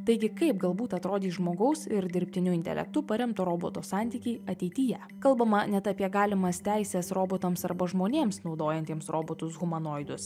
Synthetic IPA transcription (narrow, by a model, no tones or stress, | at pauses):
t̪ɐɪɡʲɪkɐɪp̚ɡɐlˠbuːt̪ɐt̪ɾoːd̪ʲiːʒmoːɡɐʊsɪɾd̪ʲɪɾʲpʲt̪ʲɪnʲʊɪnt̪ʲɛ̰lʲɛ̰kt̪ʊpɐɾʲɛmt̪oɾoːboːt̪oːsɑːˑnʲt̪ʲiːkʲɛɪɐt̪ʲɛɪt̪ʲɪjɛ | kɐlˠbɐmɐnʲɛt̪ɐpʲiɛɡɑːlʲɪmɐst̪ʲæɪsʲɛsɾoːboːt̪ɐmsɐ̰ɾbɐʒmoːnʲeːmsnɒʊd̪oːjɛnʲt̪ʲiɛmsɾoːboːt̪ʊsɣʊmɐnoːjd̪ʊs